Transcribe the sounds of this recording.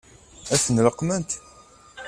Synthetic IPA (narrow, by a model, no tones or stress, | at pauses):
æθənləqːmənt̪